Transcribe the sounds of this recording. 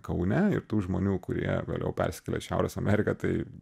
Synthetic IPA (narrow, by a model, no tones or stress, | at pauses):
kɐʊnʲɛɪɾt̪uːʒmoːnʲuːkʊɾʲḭɛɡɐ̰lʲʔɛ̰ʊpʲæ̰ɾʲsʲɪ̥kʲɛlʲḛːʃʲæˑʊɾʲɛsɐmʲæːɾʲɪkɐt̪ɐɪ